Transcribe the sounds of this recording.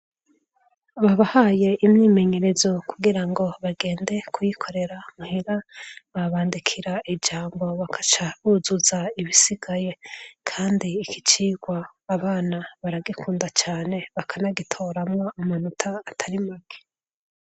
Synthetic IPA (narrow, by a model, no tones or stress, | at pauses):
βaβahaje̞ʔimɲiːme̞ɲe̞ɾe̞zo̞kuɡiɾaŋɡo̞βaɡe̞ːnde̞kujikʰo̞ɾe̞ɾaŋheɾaβaβaːndikʰiɾaʔid͡ʒaːŋɡo̞βakʰḁt͡ʃaβuzuzaiβisiɡ̥aje̞kʰaːndiːkit͡ʃiːɡwaː | βaːnaβaɾaɡikʰuːndat͡ʃaːne̞βakʰanaɡitʰo̞ɾamwaamanutʰaːtʰaɾimake̥